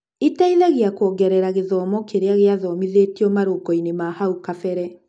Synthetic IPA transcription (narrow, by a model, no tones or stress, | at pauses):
itaiðaɣeakɔɡɛɾɛɾaɣeðɔːmɔkeɾeaɣeaðɔmiðeːtiɔmaɾoɡɔinemahaukafɛɾɛ